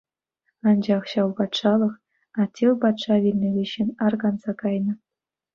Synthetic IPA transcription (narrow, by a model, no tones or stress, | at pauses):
ɑnd͡ʑɑχɕɑlˠpɑt̪ʂɑlˠɤ̆χ | ɑtʲʰːelˠpɑt̪ʂɑʋʲilʲnʲɘ̆lʲeɕɘnʲɑrɡɑnzɑkɑjnɤ̆